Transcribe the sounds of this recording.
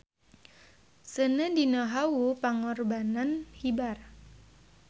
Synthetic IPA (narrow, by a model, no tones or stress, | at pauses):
sənədinəɦawupaŋɔrbananhibar